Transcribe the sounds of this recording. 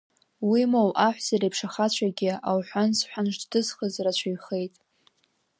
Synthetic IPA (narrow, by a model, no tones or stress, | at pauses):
wimowʔaħʷzaɾepʰʂaχat͡ɕʷʰaɡʲɪawħʷansħʷᶣanʃʷddɨzχəzrat͡ɕʷʰajχe̞jtʼ